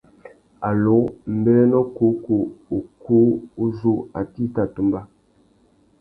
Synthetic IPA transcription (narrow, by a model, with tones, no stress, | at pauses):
a˨lo˨˦m̩˨bɛ˦nɔ˦ku˨˦ku˨o˨ku˦u˦zu˦a˨ti˦ta˨tu˨mba˦